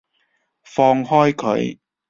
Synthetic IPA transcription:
fɔː˧ŋhɔː˥jkʰɵ̰˨˧˥ɥ

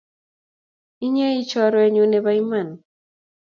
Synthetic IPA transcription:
i˦ɲe˦i˦t͡ʃɔ˨ɾwɛ˨ɲo˨ne˨ba˦i˦ma˨n

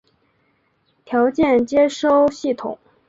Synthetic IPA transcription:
t̪ʰjɑ˧˥ʊt͡ɕjɛ˥˩nt͡ɕjɛ˥ʂo˥˧ʊɕi˥˩t̪ʰʊ̰˨˩˦ŋ

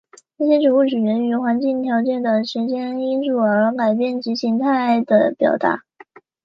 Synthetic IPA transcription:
ʈ͡ʂɤ˥˩ɕjɛ˥ʈ͡ʂɻu˧˥u˥˩ʈ͡ʂɻ̩˨˩ɻə˧˥ny˧˥xwa˧˥nt͡ɕi˥˩ŋt̪ʰjɑ˧˥ʊt͡ɕjɛ˥˩nd̪ə˨˩ʂɻ̩˧˥t͡ɕjɛ˥ni˥nʈ͡ʂu˥˩ə˞˧˥ka˨˩ɪp̬jɛ˥˩nt͡ɕi˧˥ɕi˧˥ŋt̪ʰa˥˩ɪd̪ə˩pjɑ̰˨˩ʊt̪a̰˧˥

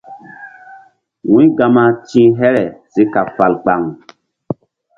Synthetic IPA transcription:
wũ˦ɡa˧ma˦tĩ˦ɦɛ˦ɾɛ˨si˦ka˨fa˨lk͡pa˨ŋ

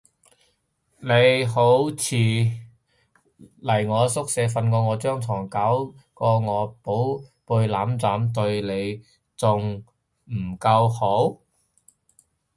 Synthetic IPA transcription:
ne˨˥jɦo˨˥wt͡sʰiː˨˧ | lɐ˨˩jŋɔː˨˧sʊ˥k̚sɛː˨˧˥fɐ˧nkɔː˧ŋɔː˨˧t͡sœː˥ŋt͡sʰɔː˨˩ŋka˨˥wkɔː˧ŋɔː˨˧po˨˥wpuː˧jlaː˨˥mt͡saː˨˥mt̪̬ɵ˧ɥle˨˧j | t͡sʊ˨˧ŋ | m̩˨˩kɐ˧who˨˥w

